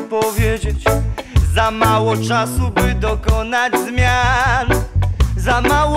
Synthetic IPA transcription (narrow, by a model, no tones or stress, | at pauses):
pɔvʲjed͡ʑet͡ɕzamawɔt͡ʂasubɘd̪ɔkɔnad͡ʑzmʲjanzamaw